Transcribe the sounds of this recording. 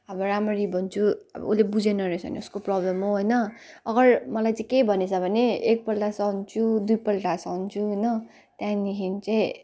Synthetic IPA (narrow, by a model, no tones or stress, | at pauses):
ʌbʌɾamʌɾibʱʌnt͡sʰuʌ̰bʌ̰ulebud͡zenʌɾesʰʌ̰nḛuskoprʌblʌmɦoɦojnʌ | ʌɡʌrmʌlajt͡saĩkejbʱʌnet͡sʰʌbʱʌneek̚pʌlʈasʌnt͡sʰud̪ujpʌlʈasʌnt͡sʰuɦjnʌ | t̪jãnikʰint͡saĩ